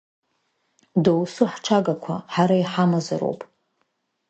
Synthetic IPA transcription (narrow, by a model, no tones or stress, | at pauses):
dowsuħʈ͡ʂʰaɡakʷʰaħaɾaiħamaza̰ɾo̰wpʼ